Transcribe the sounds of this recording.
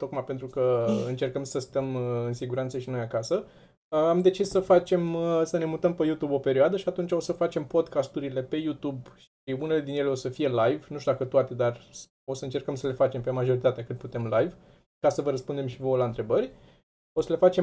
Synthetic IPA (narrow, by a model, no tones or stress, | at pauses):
t̪o̞kmajpent̪ɾukəɨnt͡ʃe̞rkəmsəst̪əmɨnsiɡuɾant̪səʃino̞jakasə | amd̪e̞t͡ʃissəfat͡ʃe̞msəne̞mut̪əmpejut̪ubo̞pe̞ɾioad̪əʃiat̪unt͡ʃo̞səfat͡ʃe̞mpo̞d̪kast̪uɾile̞pe̞jut̪ubʃ | iune̞le̞d̪injeleo̞səfije̞lajvnũʃt̪ud̪akət̪oat̪e̞d̪ar | o̞səɨnt͡ʃe̞rkəmsəle̞fat͡ʃe̞mpe̞maʒo̞ɾit̪at̪eakɨt̪̚put̪e̞mlajv | kasəvəɾəspund̪e̞mʃivəlaɨnt̪ɾe̞bəɾʲ | o̞səle̞fat͡ʃe